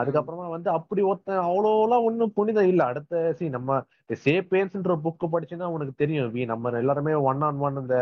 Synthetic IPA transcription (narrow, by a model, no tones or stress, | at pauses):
ɐðɯkːɐpːɯɾɐmaːʋɐnd̪ɯɐpːɐɽiɔt̪ːɐ̃ɐʋɐɭoːlãːɔnːɯpʊɳɪðãːɪlːɛɐɽɯt̪ːɐsiːnɐmːɐ | seːpeːnsɛndɾɐbʊkːɯp̬ɐɽɪt͡ʃːɯnːaːɔnɐkːɯt̪ɛɾɪjʊ̃ʋiːnɐmːɐɛlːaːɾɯmeːʋɐɳːaːnʋaːnɯɪnd̪ɐ